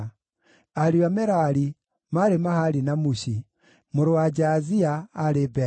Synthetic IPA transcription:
aɾiwamɛɾaɾi | maɾemahaɾinamuɕi | moɾowad͡ʒaziaːɾebɛ

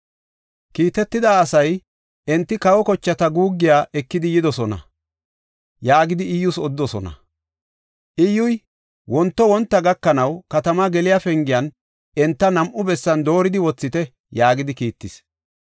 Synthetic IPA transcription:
kiːt̪ɛt̪ːɪd̪aːsɐj | ʔɛnt̪ːɪkɐwɔkɔt͡ʃːɐt̪ɐɡuːɡːɪjaːʔɛkːɪd̪ɪjɪd̪ɔsɔnɐ̰ | jaːɡɪd̪ɪɪjːʊsɔd̪ːɔsɔnɐ̰ | ʔɪjʊj | wɔnt̪ːɔwɔnt̪ːɐɡɐkːɐnɐwkɐt̪ɐmaɡɛlɪjafɛŋɡɪjɐn | ʔɛnt̪ːɐnɐmʔʊbɛsːɐnd̪o̞ːɾɪd̪ɪwɔt͡sːɪt̪ɛ | jaːɡɪd̪ɪkiːt̪ːɪs

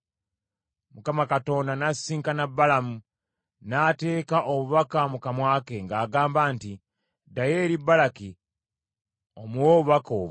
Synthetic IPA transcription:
mukamakato̞ːndanasiːŋkanabːalamu | nate̞ːkaʔoβuβakamukamwaːke̞ŋɡaːɡaːmbaːnti | dajeːɾibːalaki | omuwoːβuβakoːβ

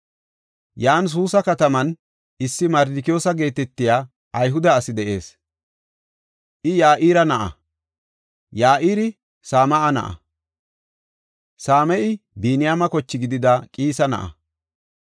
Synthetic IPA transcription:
jaːns̬uːsɐkɐt̪ɐmɐn | ɪsːɪmɐɾd̪ɪkɪjo̞ːsɐɡe̞ːt̪ɛt̪ːɪjaː | ʔɐjɦʊd̪ɐːsɪd̪ɛʔe̞ːs | ʔɪjaːʔiːɾɐnɐʔɐ̰ | jaːʔiːɾɪ | saːmɐʔɐnɐ̰ʔɐ̰ | saːmɛʔɪbiːnɪjaːmɐkɔt͡ʃːɪɡɪd̪ɪd̪ɐkʼiːsɐnɐ̰ʔɐ̰

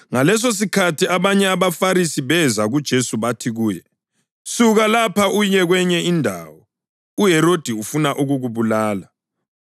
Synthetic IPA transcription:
ŋalɛs̬os̬ikʰatʰiaβaɲɛaβafaɾisiβɛzaɣud̥ʒ̥ʱesuβatʰiɣuːjɛ | suɣalapʰauɲɛɣwɛɲɛindʱa̰ːwɔ | uɦɛɾod̥ʱiufunaʔuɣuɣuβulaːla

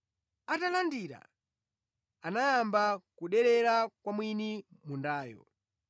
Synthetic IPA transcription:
atalandiɾa̰ | anajambakuɗɛɾɛɾakwamwinimundaːjɔ̰

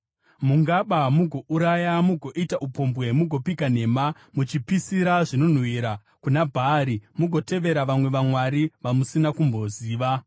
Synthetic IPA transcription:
muŋɡaɓamuɡʱo̞ʔuɾajamuɡʱo̞ʔitaʔupo̞mbwe̞muɡʱo̞pikane̞ːma | mut͡ʃipisiɾaʐino̞n̤wiːɾa | kunabʱaɾimuɡʱo̞te̞ʋe̞ɾaʋamwe̞ʋamwaɾiʋamusinakumbo̞ziːʋa

